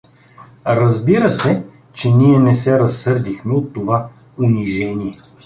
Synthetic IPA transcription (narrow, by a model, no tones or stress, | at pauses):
ɾɐzbiɾəsɛ | t͡ʃɛniɛnɛsɛɾɐsːɤɾd̪ixmɛot̪ːova | ʊniʒɛnʲiɛ